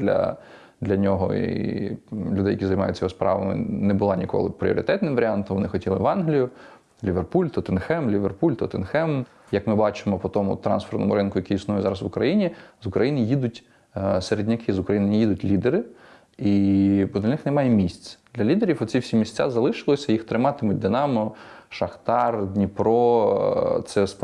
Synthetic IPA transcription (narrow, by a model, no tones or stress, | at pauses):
d̪lʲɐ̰ | d̪lʲɐnʲɔɦɔ̰iḭ | lʲʊd̪ɛjɐkʲizɐjmɑjʊtʲːjɔspɾʔɑ̰ʋɐmɪ̰nɛbʊlˠɑnʲikɔ̰lˠɪ̰pɾʲḭɔ̰ɾʲɪt̪ɛt̪nɪmʋɐɾʲiɑnt̪ɔmʋɔnɪxɔtʲilˠɪʋɑnɦlʲijʊ | lʲiʋerpulʲt̪ɔt̪enxɛmlʲiʋerpulʲt̪ɔt̪enxɛm | jɐkmɪbɑt͡ʃɪmɔpɔt̪ɔmʊ̰t̪ɾɑ̰nsfernɔ̰mʊ̰ɾɪnkʊjɐkʲiisnujʊzɑɾɐsʋʊkɾɐjinʲizʊkɾɐjinɪjid̪ʊtʲ | seɾedʲnʲɐkʰɪzʊkɾɐjinɪnʲjid̪ʊtʲlʲid̪eɾɪ | ibɔd̪lʲɐnɪxnemɑjɛmʲisʲt͡sʲd̪̥lʲɐlʲid̪eɾʲifɔt͡sʲsʲiwsʲimʲisʲtt͡sʲa̰zɐlˠɪʃɪlˠɔsʲɐjixt̪ɾɪmɑt̪ɪmʊt̚ʲd̪ɪnɑmɔʃɐxt̪ɑrd̪ʲnʲipɾɔ | t̪sɛs